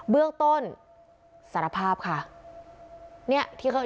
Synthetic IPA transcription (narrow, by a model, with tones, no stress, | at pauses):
bɯ˥˩əŋt̪o˥˩n | sa˨˦ɾa˧˩pʰaː˥˩p̚kʰa˥˩ | ni˥˩ɐt̪ʰiː˧˩kʰa˧˥˩